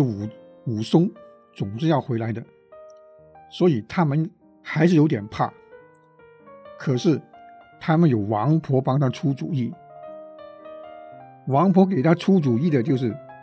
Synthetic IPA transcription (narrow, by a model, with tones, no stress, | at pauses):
u˨˩ | u˨˩sʊ˥ŋ | t͡sʊ˨˩ŋʂɻ̩˥˧jɑ˥˩ʊxwe˧˥ɪla˧˥ɪd̪ə˧ | swɔ˧˥i˨˩t̪ʰa˥mə˨n | xa˧˥ɪʂɻ̩˥˩jo˧˥ʊt̪jɛ˨˩npʰa̰˥˩ | kʰɤ˨˩ʂɻ̩˥˩ | t̪ʰa˥mə˨njo˨˩ʊwɑ˧˥ŋpʰwɔ˧˥pɑ˥ŋt̪ʰa˥ʈ͡ʂʰu˥t͡sṵ˨˩i˥˩ | wɑ˧˥ŋpʰwɔ˧˥k̬e˨˩ɪt̪ʰa˥ʈ͡ʂʰu˥t͡su˨˩i˥˩d̪ə˩t͡ɕjo˥˧ʂ̬ɻ̩˥˩